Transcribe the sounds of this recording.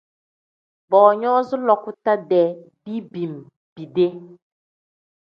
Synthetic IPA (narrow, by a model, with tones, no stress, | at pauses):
bɔː˨ɲɔ˦zʊ˦lɔ˨kʊ˦ta˦dɛ˨bi˦bi˨m˨ | b̥i˨de˦